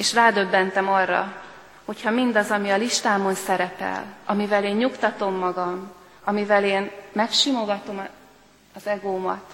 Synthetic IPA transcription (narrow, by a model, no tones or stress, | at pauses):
eːʃraːd̪ø̞bːɛnt̪ɛmɒrːɒ̰ | ho̞chɒmind̪ɒzɒmiɒliʃt̪aːmo̞nsɛɾɛpɛ̰lʔɒmivɛleːɲɲukt̪ɒt̪o̞mːɒɡɒm | ɒmivɛleːnmɛkʃimo̞ɡɒt̪o̞m | ɒzɛɡoːmɒ̰t̪